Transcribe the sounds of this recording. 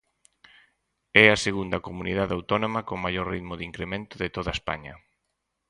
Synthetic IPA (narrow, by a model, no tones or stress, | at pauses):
ɛɐseɣund̪ɐkomunið̞aðawt̪ɔnomɐkoŋmajɔɾriðmʊðiŋkɾemẽnt̪ʊðɪt̪oðɐespa̰ɲɐ